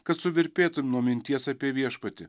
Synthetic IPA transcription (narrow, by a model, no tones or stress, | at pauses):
kɐt̪sʊʋʲɪɾʲpʲeːt̪ʊmʲnuɔmʲɪnʲt̪ʲiɛsɐːpʲiɛʋʲiɛʃpɐt̪ʲɪ